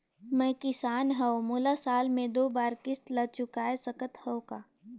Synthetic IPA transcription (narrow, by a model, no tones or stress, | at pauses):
mɛ̃ːkɪsaːnɦɐomʊːlasaːlmẽd̪oːbaːɾkɪst̪lɐt͡ʃʊkaːesɐkət̪həokaː